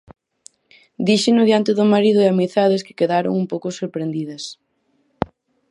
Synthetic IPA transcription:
d̪iʃɪnʊðjant̪ɪðʊmaɾiðʊeamiθaðɪskɪ̥keðaɾʊ̰ŋumpowkʊsoɾpɾend̪iðɐs

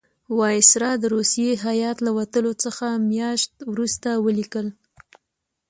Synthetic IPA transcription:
wɑjɪsɾɑd̪əɾusijeɦajɑt̪lawat̪əlot͡səxamjɑʃt̪wɾust̪awəlikəl

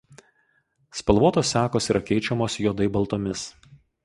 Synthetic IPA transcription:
spɐlˠʋuɔt̪oːsːʲæːkoːsiːɾɐkʲɛɪt͡ʃʲɛmoːsjoːd̪ɐɪbɐlˠt̪oːmʲɪs

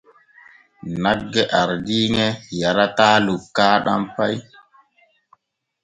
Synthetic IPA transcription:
naɡːɛʔaɾdiŋɛjaɾataːlukːaːɗa̰mpaj

